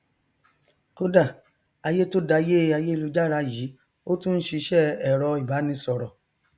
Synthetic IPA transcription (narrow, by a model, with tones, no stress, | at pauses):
ko˦da˦˨ | a˧je˦to˦da˧je˦a˧je˦i˧lu˧d͡ʒa˦ɾa˧˦jiː˨˦ | o˦tũ˦n̩˦ʃi˧ʃɛ˦˨ɛ˨ɾɔ˧i˨ba˨˦nĩ˧sɔ˨ɾɔ˨